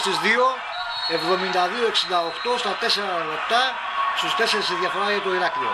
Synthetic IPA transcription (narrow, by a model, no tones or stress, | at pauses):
st̪izðio | evðo̞mind̪ɐðioeksind̪ɐokt̪ost̪ɐt̪eseɾɐlopt̪a | st̪ust̪eseɾisiðjɐfoɾaʝet̪oiɾakɾi